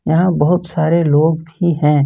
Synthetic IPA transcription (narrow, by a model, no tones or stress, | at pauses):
jɐɦãbɐɦʊt̪saːɾeloːɡbʱiɦɛ̃ː